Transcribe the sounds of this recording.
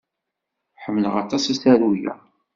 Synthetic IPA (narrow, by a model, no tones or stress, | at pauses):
ħəmːələʁɑ̰t̪ˤɑsæsæɾujæ̰